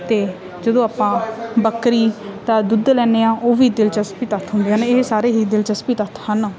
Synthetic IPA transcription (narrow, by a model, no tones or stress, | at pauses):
t̪eː | d͡ʒəd̪õːaːpãːbəkɾiːt̪ãːd̪ʊd̪lɛːneːãːʔoːʋiːd̪ɪlt͡ʃəspiːt̪ət̪ʰɦʊnd̪eːãːnesaːɾeːɦiːd̪ɪlt͡ʃəspiːt̪ət̪ʰhən